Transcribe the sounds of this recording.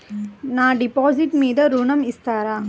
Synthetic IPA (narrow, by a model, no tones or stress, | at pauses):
naːɖɪpoːsɪʈmiːðɐɾʊɳɐmɪst̪aːɾaː